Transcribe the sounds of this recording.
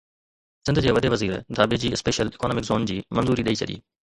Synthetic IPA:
sɪnd̪d͡ʑeːʋɐd̪eːʋɐziːɾd̪ʱaːbed͡ʑiːɪspeːʃəlɪkonoːmɪkzoːnd͡ʑiːmɐnzuːɾiɗɐiːt͡ɕʰɐɗḭː

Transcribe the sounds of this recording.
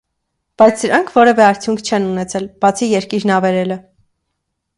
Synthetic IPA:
b̥ɑjt͡sʰd̪əɾɑŋkʰvɔɾɛvɛɑɾt͡sʰjuŋkʰt͡ʃʰɛnunɛt͡sʰɛlb̥ɑt͡sʰijɛɾkiɾnɑvɛɾɛlə

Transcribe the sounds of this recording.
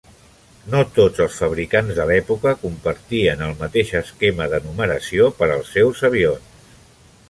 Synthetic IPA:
not̪od͡zəlˠsfəβ̞ɾikanzðəlɛpukəkumpəɾt̪iənəlˠmət̪eʃəskeməðənuməɾəsiopəɾəlˠsɛwzəβ̞ions

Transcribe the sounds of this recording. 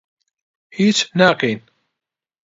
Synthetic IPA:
hit͡sːnaqin

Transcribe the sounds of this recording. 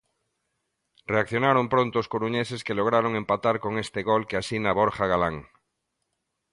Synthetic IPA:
reakθjo̞naɾompɾont̪oːskoɾuɲeseskeloɣ̞ɾaɾoŋẽmpat̪aɾko̞ŋest̪eɣolkeasinaβoɾχaɣalaŋ

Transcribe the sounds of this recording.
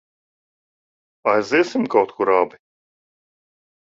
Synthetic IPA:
ajziɛsimkawt̪kuɾabi

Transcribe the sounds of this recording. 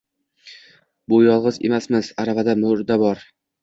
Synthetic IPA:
bʊjɒlˠʁɨzḛmasmɪzaɾavad̪amɵɾd̪abɒɾ

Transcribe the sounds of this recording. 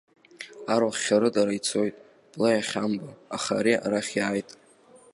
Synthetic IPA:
aɾaχːʲaɾɨdaɾait͡sʰo̞jtʼ | b̥lajaχʲambaa̰χa̰ɾia̰ɾaχʲjaːjtʼ

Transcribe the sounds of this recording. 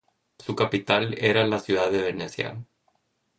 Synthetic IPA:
sukapit̪aleɾalasjuðaðeβeneθja̰l

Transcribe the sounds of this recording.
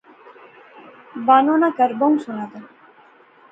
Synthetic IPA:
baːnoːnakəɾboũsunat̪a

